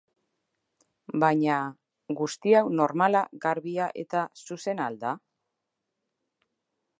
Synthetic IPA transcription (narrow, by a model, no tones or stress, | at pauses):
baɲa | ɡust̪iawno̞ɾmalaɣaɾβiaʔe̞̰t̪asuse̞nald̪a